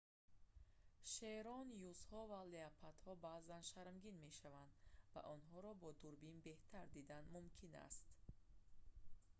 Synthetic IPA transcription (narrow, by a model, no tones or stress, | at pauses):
ʃeɾɔnjuzhɔvaleapʰat̪hɔbaːzanʃaɾmɡinme̞ʃavand̪va̰ʔɔnɦɔɾɔbɔd̪uɾbinbe̞ht̪ʰaɾd̪id̪anmumkʰina̰st̪